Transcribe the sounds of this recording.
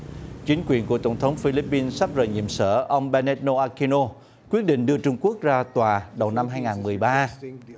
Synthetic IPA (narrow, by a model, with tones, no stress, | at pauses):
t͡ɕï˨˦ŋ̟kwi˨˩ənku˧˩ət̪ə˧˩wŋ͡mt̪ʰə˨˦wŋ͡mfi˧li˦˥pːi˧nsa˦˥p̚zə̰ː˨˩jɲḭ˧˨əmsə̰ː˧˩ʔə˧wŋ͡mɓɛ˧nɛ˦˥t̚no˧ʔaː˧ki˧no˧ | kwi˦˥ət̚ɗḭ̈˧˨ŋ̟ɗɨ˧ət͡ɕʊ˧ŋ͡mku˦˥ək̚zaː˧t̪waː˨˩ɗə˨˩wna˧mɦaː˧jŋaː˨˩nmɨ˨˩əjɓaː˧